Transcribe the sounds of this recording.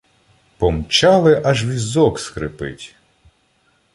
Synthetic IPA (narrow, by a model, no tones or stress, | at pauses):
pɔmt͡ʃɑlˠɪʔɐʒʋʲizɔkskɾɪpɪ̰tʲ